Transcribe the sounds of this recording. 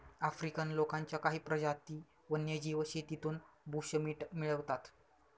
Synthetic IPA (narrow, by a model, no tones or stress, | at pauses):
afɾikənlokaɲt͡ɕjakaɦiːpɾəd͡ʑat̪iː | ʋənjəd͡ʑiːʋəɕet̪it̪uːnbʱuɕəmiːʈmiɭəʋt̪at̪